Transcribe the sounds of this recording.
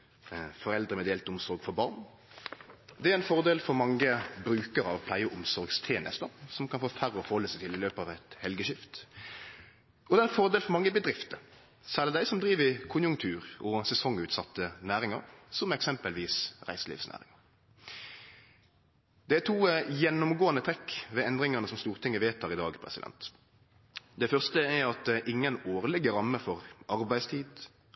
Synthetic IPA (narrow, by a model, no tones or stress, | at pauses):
fɔʁɛld̪ʁəmɛd̪eːlt̪ʊmsɔɾɡfɔbɑʁn | d̪ɛæɾɛnfɔʁd̪eːlfɔɾmɑŋːəbɾʉːkəɾɑʋpʰlæɪəʔʊmsɔɾɡst̪ʰeːnʔə̰st̪ɑsɔmkʰɑnfoːfæʁːəɔfɔhɔlːəsæt̪ʰɪlɪløːpɑːʋɛt̪hɛlɡəʃɪft̪ | ɔd̪ɛæɛnfɔʁd̪eːlfɔʁmɑŋːəbəd̪ɾɪft̪ə | sæləd̪æɪsɔmd̪ʁiːʋəɪkʰʊnjʊŋt̪ʰʉːʁɔsɛsɔŋʉːt̪sɑt̪ːənæːɾɪŋɑ̰ɾsɔmɛksɛmpəlʋiːsʁæ̰ɪsəlḭːfsnæ̰ːʁɪ̰ŋɑ | d̪̥ɛæt̪ʰuːjɛnːʊmɡoːənət̪ʰʁɛkːʋɛɛnd̪ɾɪŋɑnəsɔmst̪uːʁt̪ʰɪŋːəʋeːt̪ʰɑːʁɪd̪ɑ̰ːɡpʰɾɛ̰sɪd̪ɛ̰nt̪ | d̪ɛfœʁst̪əæɾɑt̪̚d̪ɛʔɪŋːənoːʁəlɛɡəɾɑmːəfɔɾʔɑɾbæɪst̪ʰiːd̪